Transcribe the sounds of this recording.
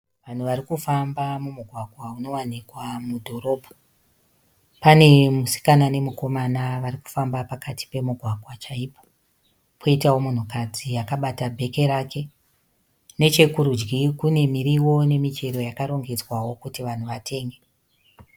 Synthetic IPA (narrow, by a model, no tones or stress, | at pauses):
ʋan̤uʋarikufambamumuɡʱwaɡʱwauno̞wanikwamudʱo̞ɾo̞ːbʱo̥ | pane̞musi̥kanane̞muko̞manaʋaɾiku̥fambapakati̥pe̞muɡʱwaɡʱwat͡ʃaipo | pʰoitawomun̤ukad͡zijakaɓatabʱe̞ke̞ɾake̞ | ne̞t͡ʃe̞kuɾud͡ʒɡikune̞miɾiwo̞ne̞mit͡ʃe̞ɾo̞jakaɾo̞ŋɡed͡zwawo̞kutiʋan̤uʋatʰe̞ːŋɡe̞